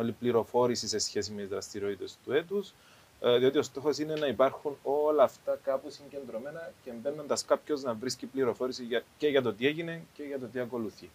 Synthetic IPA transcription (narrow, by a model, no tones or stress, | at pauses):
olipliɾo̞fo̞ɾisise̞sçe̞s̬imet̪izðɾɐst̪iɾo̞t̪it̪e̞st̪ue̞t̪us | ðio̞t̪io̞st̪o̞xo̞sine̞nɐipɐɾxuno̞lɐːft̪ɐkɐpusiɲɟe̞nd̪ɾo̞me̞nɐcembe̞nːund̪ɐskapço̞znɐvɾiscipliɾo̞fo̞ɾisiʝɐce̞ʝɐt̪o̞t̪ie̞ʝine̞nce̞ʝɐt̪o̞t̪iɐko̞luθi